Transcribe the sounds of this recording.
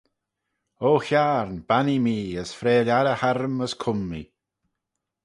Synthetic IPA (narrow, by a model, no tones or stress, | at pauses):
oːçaːɹnbanimiːəsfɾeːlʲaɾəhaɾəməskʰʊmːḭ